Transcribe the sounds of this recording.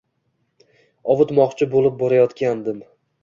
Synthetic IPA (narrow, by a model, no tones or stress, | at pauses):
ɒvɨt̪mɒqt͡ʃʰɪbolˠɪp̚bɒɾajɒt̪kʲand̪ɪm